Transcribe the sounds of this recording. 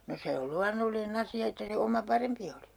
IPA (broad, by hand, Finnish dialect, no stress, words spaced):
no se ol luɑnːolːinĕn ɑsiɑ etːæ se omɑ pɑrempi oli